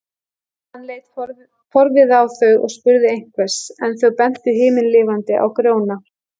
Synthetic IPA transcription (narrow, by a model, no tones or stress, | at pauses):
hanleːjt̪ | pʰɔɾvɪðawθœɥɣɔ̰ɣspʏɾðɪejŋ̥kvɛsɛnθœwpɛn̥t̪ɪɦɪːmɪnlɪːvant̪ɪʔa̰wkɾjoːwna